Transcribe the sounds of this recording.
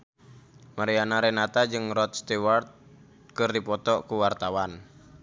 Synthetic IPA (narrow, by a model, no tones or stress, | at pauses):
maɾianaɾɛnat̪ad͡ʒɨŋrɔt̪̚st̪iwart̪̚ | kɨrdipɔt̪ɔʔkuwart̪awan